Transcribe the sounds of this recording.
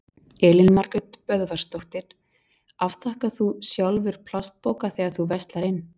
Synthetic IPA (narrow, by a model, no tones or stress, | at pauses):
ɛːlɪnmaɾkʏt̪pœðvaɾ̥st̪owht̪ɪɾ̥ | afθahkaθusjawlvɪɾ̥pʰl̥ast̪̚poːwkaθɛːɣaθuvɛst̪laɾɪnː